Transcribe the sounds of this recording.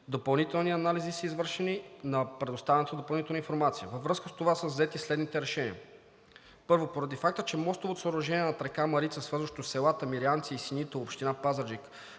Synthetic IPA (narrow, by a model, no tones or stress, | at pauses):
d̪opɐlˠnit̪ɛlˠniɐnalizisəizvɤɾʃɛninɐpɾɛd̪ost̪avɛnt̪d̪opɐlˠnit̪ɛlˠninfoɾmat̪sijəvəvɾɤskəst̪ovasəzzɛt̪islɛd̪nit̪ɛɾɛʃɛniə | pɤɾvopoɾɐd̪ifak̚t̪ət͡ʃɛmɔst̪ovot̪osəoɾʊʒɛniɛnɐt̪ɾɛkamɐɾit̪səsvɤɾzvəʃt̪osːɛlˠat̪əmiɾiant̪siːsinit̪ɛopʃt̪inapazəd͡ʒik